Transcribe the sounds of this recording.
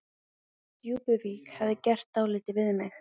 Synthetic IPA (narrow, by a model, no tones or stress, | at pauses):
t̪juːpʏviːkhavðɪcɛr̥t̪aːwlɪːt̪ɪvɪðmɪx